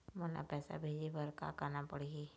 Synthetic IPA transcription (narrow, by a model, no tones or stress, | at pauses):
mɔna̰pɛːsa̰bʱeːd͡ʒebəɾka̰kanapəɽii